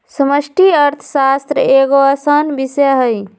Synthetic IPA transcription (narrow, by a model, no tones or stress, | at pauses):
səməsʈiəɾt̪ʰə̥sast̪ɾəeɡoəsənbiseɦəj